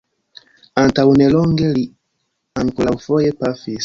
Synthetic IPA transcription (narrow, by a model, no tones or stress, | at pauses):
antaunɛlɔŋɡɛli | aŋkulaufɔjɛpafis